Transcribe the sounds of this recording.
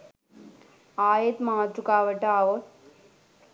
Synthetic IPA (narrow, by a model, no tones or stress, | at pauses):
aːjet̪maat̪ɾukaːʋɐʈaːʋot̪